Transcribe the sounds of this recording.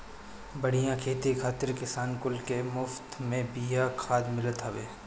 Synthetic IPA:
bɐɽ̤ijãkʰeːt̪ikʰaːt̪ɪɾkɪsaːnkʊlkemʊft̪mẽbijakʰaːd̪mɪlət̪ɦɐʋeː

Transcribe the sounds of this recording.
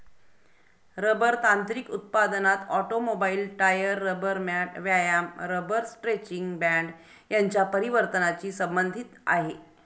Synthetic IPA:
ɾəbəɾt̪ant̪ɾikut̪̚pad̪nat̪ɔʈomobailʈajəɾːəbəɾmaʈʋjajamɾəbəɾsʈɾet͡ɕiŋɡbæɳɖ | jaɲt͡ɕjapəɾiʋəɾt̪ənat͡ɕiːsəmbənd̪ʱit̪a̰ɦe

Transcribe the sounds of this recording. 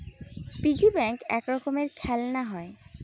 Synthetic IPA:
piɡibɛŋkɛ̰kɾɔkomeɾkʰɛlnaɦɔe

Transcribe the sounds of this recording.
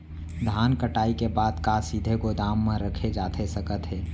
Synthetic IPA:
d̪ʱaːnkəʈaːikebaːd̪kaːsiːd̪ʱekod̪aːmːãɾəkʰed͡ʒaːt̪ʰesɐkət̪ɦɛː

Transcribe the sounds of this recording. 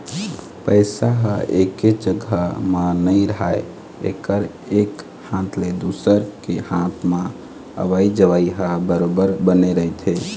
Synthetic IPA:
pəɪsaɦəeked͡ʒəɡʱəmanəɪɾəɦae | ḛkəɾ | ek | hãt̪ʰled̪usəɾkehãt̪ʰma | ə̰ʋaid͡ʒəʋaiɦəbəɾobəɾbəneɾəɦit̪ʰe

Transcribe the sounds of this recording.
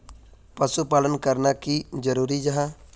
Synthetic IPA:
pəsupaːlənkəɾnakid͡ʒəɾuːɾid͡ʒaɦã

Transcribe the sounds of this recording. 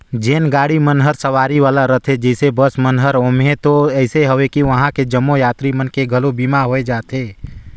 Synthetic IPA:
d͡ʒeːnɡaːɽimənɦəɾsəʋaːɾiʋaːlaɾət̪ʰed͡ʒɛɪsebəsmənɦəɾoːmɦẽt̪oɛɪseɦəʋekiʋəɦãked͡ʒəmːojaːt̪ɾimənkeɡʱəlobiːmaɦoːed͡ʒaːt̪eː

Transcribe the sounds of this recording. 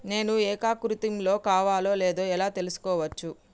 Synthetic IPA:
ne̞ːnuɛːkaːkɾut̪imlo̞ːkaːʋaːlo̞ːleːd̪o̞ːɛlaːt̪e̞lusu̥kɔːʋɐt͡ʃːu

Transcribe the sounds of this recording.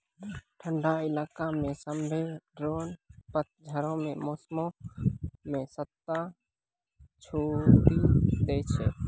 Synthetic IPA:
ʈʰəɳɖailakamẽsəmbʱeɖɾonpət̪̚d͡ʒʱəɾõmẽmosmõ | mẽsət̪ːa | t͡ʃʰoʈid̪ɛt͡ʃʰɛ

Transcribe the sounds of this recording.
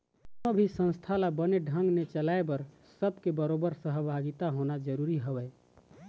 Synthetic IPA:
nobʱisə̃nst̪ʰalabəneɖʱəŋɡnet͡ʃəlaebəɾ | səbkebəɾobəɾsəɦbʱaɡit̪aɦonad͡ʒəɾuɾiɦobɛ

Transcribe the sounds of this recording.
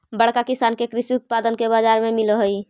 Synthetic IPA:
bəɽkakɪsaːnkekɾɪʃiʊt̪̚paːd̪ənkebaːd͡ʒaːɾmẽmɪlɦoi

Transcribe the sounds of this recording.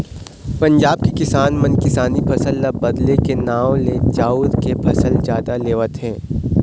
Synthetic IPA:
pɐ̃ɲd͡ʒaːb̚kikɪsaːnmɐnkɪsaːnipʰɐsəlːabɐd̪lekenaːw̃led͡ʒaːuːd̪kepʰɐsəld͡ʒaːd̪aleːʋət̪ɦɛ̃ː

